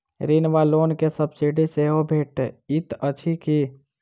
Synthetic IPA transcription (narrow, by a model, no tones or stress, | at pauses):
ɾinʋaloːnkesəbsiɖiseɦobʱeːʈeɪt̪ət͡ʃʰiki